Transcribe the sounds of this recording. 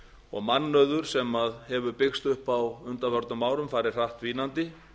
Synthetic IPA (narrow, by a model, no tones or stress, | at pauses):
ɔ̰ɣmanːœɥðʏɾ̥sɛmaðhɛvʏpɪxst̪ʏhpawʏnt̪avœɾt̪ʏmːaːwɾʏmfaːɾɪ̥r̥aht̪viːnant̪ɪ